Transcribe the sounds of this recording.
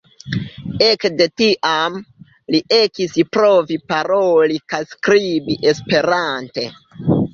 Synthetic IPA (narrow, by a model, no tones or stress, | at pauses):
e̞kde̞tiʔam | liʔe̞kispɾovipaɾolikajskɾibiʔe̞spe̞ɾante̞